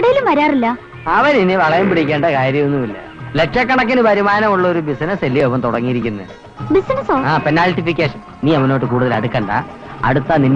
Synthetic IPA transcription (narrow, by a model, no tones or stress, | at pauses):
iɽɐjilumʋɐɾaːrilːɐ | ɐʋɐninːeʋɐɭɐjumpiɽikʲːeːɳɖɐkaːɾjɐmonːumilːɐ̰leʈʂɐkːɐɳɐk̬ːinɨpɐɾimaːnɐmuɭːɐoɾubisnɐselːioʋɐmt̪oɽɐŋːijiɾikʲːunːɐ | bisnɐsoːaːpenːaːlʈifikʲːeːʂɐn | niːɐʋɐno̞ːʈːɨkuːɽuðɐlɐ̰ɽukːɐːɳɖɐ̰ | ɐ̰ɽut̪ːɐninː